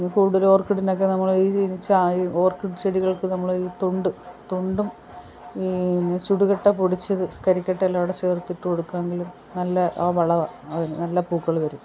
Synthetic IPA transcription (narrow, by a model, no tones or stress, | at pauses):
kuːɽuðɐlo̞ːrkiʈːino̞k̬ːe̞nɐmːɐɭiːt͡ɕiːnit͡ɕːaiːo̞ːrkiɖɨt͡ɕeɽiɣɐɭkɨnɐmːɐɭiːt̪oɳɖɨt̪oɳɖum | it͡ɕuɽuɣɐʈːɐpuɽit͡ɕːɐðɨkɐɾikʲːɐʈːɐelːaːʋiɽet͡ɕeːrt̪ːiʈːɨko̞ɽukːaːŋɡilum | nɐlːɐʔʋɐɭɐʋɐɐðinɨnɐlːɐpuːkːɐɭʋɐɾum